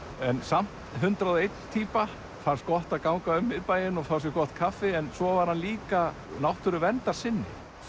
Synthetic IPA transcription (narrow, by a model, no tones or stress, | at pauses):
ɛnsam̥t̪ɦʏnt̪ɾaðejt̪nt̪ʰiːpa | fanst̪̚kɔht̪aðkawŋkaʏmːɪðpaːjɪnɔfawsɪkɔht̪kʰafɪɛnsɔvaɾhanliːka | nawht̪ʏɾʏvɛnt̪aɾ̥sɪnːɪ̰